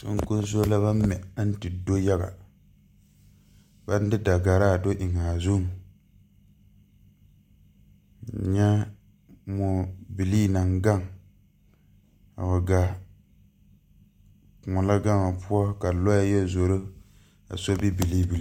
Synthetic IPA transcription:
sʊ̰˦ŋ˦kʊ˦n˦zo˦la˦βa˦m˦mɛ˨a˦n̩˦tɪ˨do˦ja˦ɡa̰˨ | ba˦n˦dɪ˦da˨ɡa˨ɾa˦˨do˦ʔɪ˨ŋa˨zu˦˨ŋ˨ | ɲɛ˦ | mo˨bi˨liː˦na˨ŋɡa˦˨ŋ | a̰˨wa˨ɡa˨ | ŋɔ˨la˦ɡa˦ŋa˨pu˦ɔ˦ka˨lɔ˦ja˦jɛ˦zo˨ɾo˦ | a̰˨so˦bi˦bi˨li˦bi˨˦

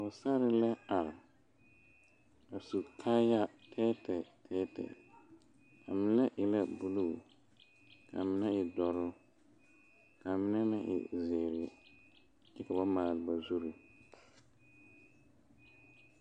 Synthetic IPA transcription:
a˨ʊ˨sa˦ɾɪ˦lɛ˦a˨ɾɪ˨ | a˨su˨kʰa˦ja˦tʰɛ˦tɛ˨tʰɛː˦tɛ̰˨ | ka˨mɪ̃˦nɛ˦ʔɪ˨la˦bu˦luː˦˨ | kʰa˨mɪ˦nɛ˦ɪ˨dɔ˨ɾʊ˦ | ka˨mɪ˦nɛ˦na˦ʔɪ̰˨zɪː˨ɾɪ˨ | ɪ˦ka˨ba˦maː˨lɪ˨ba˨zu˦ɾi˨

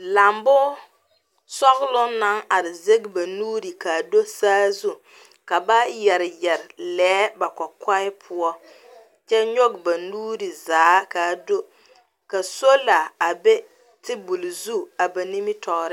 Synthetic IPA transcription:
la˨mbʊ˦ | sɔ˦ɣlʊ˦na˦ŋa˨ɾɪ˨ze˦ɡɪ˦ba˨nuː˦ɾi˨ka˨do˦saː˦zu˦ | ka˨ba˦jɛ˨ɾɪ˨jɛ˨ɾɪ˨lɛː˨˦ba˨kɔ˨ka˦ɪ˦pʰʊ˦ɔ˦ | t͡ʃɛ˦ɲo˦ɡba˨nuː˦ɾi˨zaː˨˦ka˨do˦ | ka˨so˦la˨a˨be˦ | tɪ˦bu˨lzu˦a˨ba˨ni˦mi˦tʰɔ˨ɾɪ˦

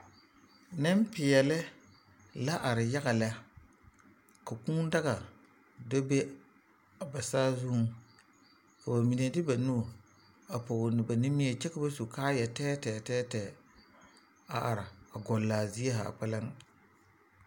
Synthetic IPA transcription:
nɛ˦mpɪ˨ɛ˨lɪ˦ | la˦ʔa˨ɾɪ˨ja˦ɣa˨la˦ | ka˨kũː˦n˦da˦ɣa˨ | do˦be˦ | a˨ba˨saː˦zu˦ | ka˨ba˨mi˨ne˨dɪ˦ba˨nu˦˨ | a˨po˨ɣnɪ˨ba˨ni˦mi˦e˨t͡ʃɛ˦ka˦ba˦su˨kaː˦jɛ˨tɛː˦tɛː˨tɛː˦tɛː˨ | a˨ʔa˨ɾɪ˨a˨ɡɔ˨lːaː˨zi˦e˦ɦa̰ː˨k͡pɛ˦lɪ˦ŋ

